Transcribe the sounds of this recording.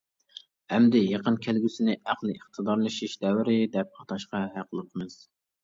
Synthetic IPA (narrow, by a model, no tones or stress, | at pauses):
hɛmd̪ɪjeqənkʲʰælɡʲysɪnɪʔæqlˠɨiχt̪ʰɨd̪ɑɾlˠɨʃiʃd̪ɛwɪɾɪd̪ɛp̚ʰɑ̥t̪ʰɑʃqɑɦæqʰəlˠəqʰəmɨz̥